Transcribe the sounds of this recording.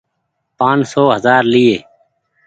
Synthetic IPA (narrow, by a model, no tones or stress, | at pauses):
pãːnsoːɦəzaːɾlieː